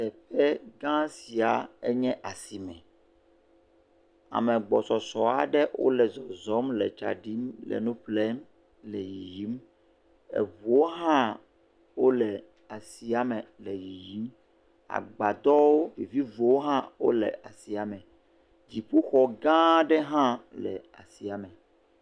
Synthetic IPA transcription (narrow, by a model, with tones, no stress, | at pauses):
tɛ˨ɸɛ˦ɡã˦si˨a˨ɛ˦ɲɛ̃˦ʔa˨si˨mɛ̃˨ | a̰˨mɛ̃˨ɡ͡bɔ˨sɔ˨sɔ˨a˨ɖɛ˦wʔo̰˦lɛ˨zɔ˨zɔ˦mlɛ˨t͡ʃa̰˨ɖi˦mlɛ̰˨nũ˦plɛ˦m | lɛ˨ji˨ji˦m | ɛ̰˨vu˨wo˦ɦã˦ | wo˦lɛ˨ | a˨si˨a˦mɛ˨lɛ˨ji˨ji˨˦m | a̰˨ɡ͡ba˨d̪ɔ˦wo˦i˨vi˦vo˨˦wo˦ɦã˦wo˦lɛ̰˨a˨si˨a˨mɛ̃˨ | d͡ʑi˨ɸu˦xɔ˨ɡã˦ɖɛ˦ɦã˦lɛ̰˨a˨si˨a˨mɛ̃˨